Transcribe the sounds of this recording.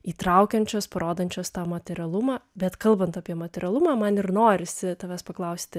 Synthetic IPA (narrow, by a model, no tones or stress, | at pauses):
iːt̪ɾɐʊkʲɛnʲt͡ʃʲoːspɐɾoːd̪ɐnʲt͡ʃʲoːst̪ɑːmɐt̪ʲɛɾʲɐlˠʊmɑːbʲɛt̪kɐlˠbɐnt̪ɐpʲiɛmɐt̪ʲɛɾʲɐlˠʊmɑːmɐnɪɾnoːɾʲɪsʲɪt̪ɐːʋʲɛːspɐklˠɐʊsʲt̪ʲɪ